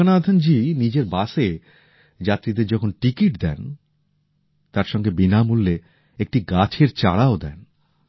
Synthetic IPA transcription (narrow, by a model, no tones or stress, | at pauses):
onad̪ʱand͡ʑinid͡ʑeɾbaʃe | d͡ʑat̪ːɾid̪eɾd͡ʑɔkʰonʈikiʈd̪ɛ̰n | t̪aɾʃɔŋɡebinamulːe | ek̚ʈiɡat͡ɕʰeɾt͡ɕa̰ɽaod̪ɛ̰n